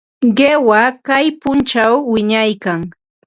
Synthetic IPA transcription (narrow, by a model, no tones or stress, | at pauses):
ɢewakajpʊnt͡ʃawːɪɲajkaŋ